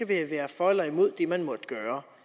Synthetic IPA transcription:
æʋeʋæːɐfɒlɐimo̝ð̰ˠd̥e̝mænmɒ̽d̥ɡ̥œːɐ

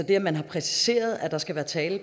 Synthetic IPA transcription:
ɒd̥e̝ɐmænɦɑ̈pʰʁɛsi̥se̝̰ːɐð̞ˠæd̥ɑ̈sɡ̥æʋæːɐt͡sʰɛːlə

